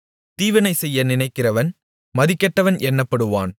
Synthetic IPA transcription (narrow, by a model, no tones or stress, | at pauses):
t̪iːʋɐnɐɪsɛjːɐnɪnɐɪkːɪrɐʋɐn | mɐðɪkːɐʈːɐʋɐnʔɛnːɐpːɐɽɯʋa̰ːn